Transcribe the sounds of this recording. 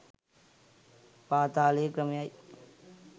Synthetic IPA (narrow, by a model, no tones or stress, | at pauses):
paːt̪aːleːkɾɐmjaːj